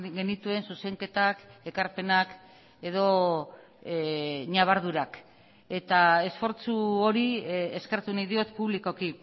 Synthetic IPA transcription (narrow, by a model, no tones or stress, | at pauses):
ɡe̞nit̪ue̞nsuse̞ŋke̞t̪ake̞kaɾpe̞nak | e̞ðo̞ | ɲaβaɾðuɾak | e̞t̪ae̞sfo̞ɾt͡suoɾieskeɾt̪unajðio̞t̪puβliko̞ki